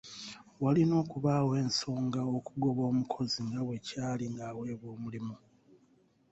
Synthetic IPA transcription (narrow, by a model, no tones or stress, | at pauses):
walino̞ːkuβawe̞ːnso̞ːŋɡao̞kuɡo̞βo̞ːmukʰo̞ziŋɡaβwecaːliŋɡawe̞βwo̞ːmulimu